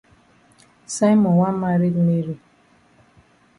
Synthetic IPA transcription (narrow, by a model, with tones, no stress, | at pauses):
sa˦mɔ̃˨wa˦ma˦ɾi˦dme˦ɾi˦